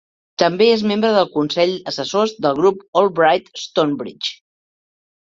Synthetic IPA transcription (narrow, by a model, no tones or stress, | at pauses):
t̪əmbeezmembɾəðəlˠkunsɛʎəsəsozd̪əlˠɣ̞ɾupolˠbɾajt̪st̪onbɾḭt͡ʃ